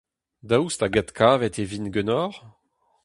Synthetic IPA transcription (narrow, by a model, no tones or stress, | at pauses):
d̪aust̪aɡat̪kʰaːvɛt̪evinɡønɔʁ